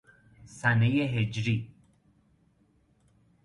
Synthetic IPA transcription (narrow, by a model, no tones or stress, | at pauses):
sænejeɦed͡ʒɾiː